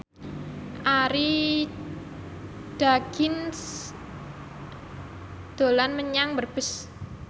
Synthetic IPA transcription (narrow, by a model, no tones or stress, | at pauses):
ʔaɾi | d̥aɡ̥ɪns | d̪̥o̤lanməɲaŋbərb̥ə̤s